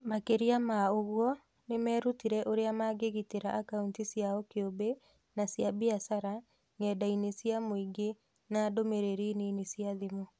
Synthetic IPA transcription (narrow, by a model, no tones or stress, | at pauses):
makeɾiamaoɣwɔ | nemɛːɾutiɾɛʔoɾeamaɡeɣiteɾaʔakauntisjaɔkeobe | nasjabiasaɾa | ŋɛːdainesjamoiɡe | nadomeɾeɾinenesjaðemo